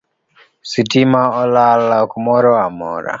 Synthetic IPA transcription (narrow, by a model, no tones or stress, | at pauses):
sitimaɔlalakumɔɾɔamɔ̰ɾa̰